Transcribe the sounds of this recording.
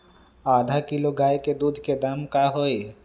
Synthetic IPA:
aːd̪ʱakiloɡaːjked̪uːd̪ʱked̪amkaɦoːe

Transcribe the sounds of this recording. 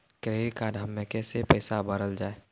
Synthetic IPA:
kɾeːɾkaːɾʱɐmːẽkɛːsepəːsabəɾəld͡ʒaːeː

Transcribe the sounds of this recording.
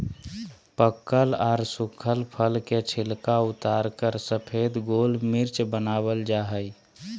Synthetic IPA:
pəkːəlaɾsukʰəlpʰəlket͡ʃʰilkaut̪aɾkəɾsəpʰed̪ɡolmiɾt͡ʃbənabəld͡ʒaɦəj

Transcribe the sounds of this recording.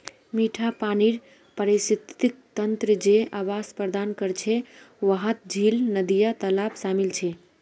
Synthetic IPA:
miʈʰapaniɾ | pəɾesit̪ik̚t̪ənt̪ɾəd͡ʒeaʋaspɾəd̪ankəɾt͡ʃʰɛ | ʋəɦət̪̚d͡ʒʱilnəd̪ijat̪əlapsamilt͡ʃʰɛ

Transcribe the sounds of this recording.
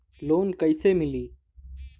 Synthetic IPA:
loːnkəɪseːmɪliː

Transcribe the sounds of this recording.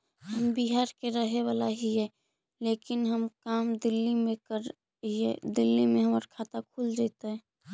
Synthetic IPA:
həmbiɦaːɾkeɾəɦewaːlaɦiɦɛ | leːkɪnɦəmkaːmd̪ɪlːimẽkəɾ | ḭd̪ɪlːimẽɦəməɾkʰaːt̪akʰuːld͡ʒɛt̪aɦɛː

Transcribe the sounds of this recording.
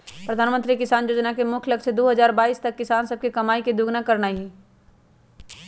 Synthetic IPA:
pɾɐd̪ʱaːnmə̃nt̪ɾikɪsaːnjoːd͡ʒnakemʊkʰlɐkʃed̪oːɦɐzaːɾbaːiːst̪ɐkːɪsaːnsɐb̚kikɐmaːikid̪ʊɡnakɐɾnaɦĩ

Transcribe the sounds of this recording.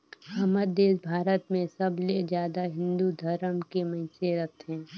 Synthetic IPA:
ɐməɾd̪eːsbʱaːɾət̪mẽsɐbled͡ʒjaːd̪aɦɪ̃nd̪ud̪ʱɐɾəmkemɐɪseɾɐt̪ɦɛ̃ː

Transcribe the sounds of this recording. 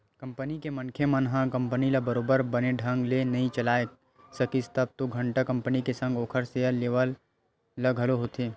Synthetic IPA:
kɐ̃mpənikemɐnkʰjemənɦãkɐ̃mpənilɐbɐɾoːbəɾbəneɖʱə̃ŋɡlenɐɦĩt͡ʃɐlaːe | sɐkist̪ɐb̚t̪oɡʱɐ̃ɳʈəkɐ̃mpənikesə̃ŋɡoːkʰəɾsejəːeːʋəlː | ɐɡʱɐloɦot̪ʰeː

